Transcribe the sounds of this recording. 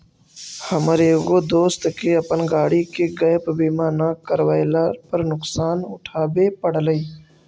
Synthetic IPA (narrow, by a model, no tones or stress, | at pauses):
həməɾeːɡod̪oːst̪keɐpənɡaːɽikeɡəjpbiːmaːnaːkəɾwəjlapəɾnʊqsaːnʊ̰ʈʰaːbepəɽləiː